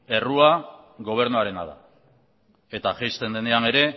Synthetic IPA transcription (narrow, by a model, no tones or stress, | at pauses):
e̞rua | ɣo̞β̞e̞ɾnuaɾe̞na̰ða̰ | e̞t̪aʝejst̪e̞nd̪e̞ne̞ane̞ɾe̞